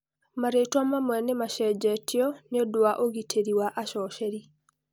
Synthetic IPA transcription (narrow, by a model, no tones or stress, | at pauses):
maɾetwamamwɛnemaʃɛd͡ʒɛtʰɪɔneodwaʔoɡitʰeɾiwaʔaʃɔʃɛɾi